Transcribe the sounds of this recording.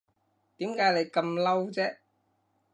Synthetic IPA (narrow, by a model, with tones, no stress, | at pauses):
t̪iː˨˥mkaː˨˥jle˨˧jkɐ˧mlɐ˥wt͡sɛː˥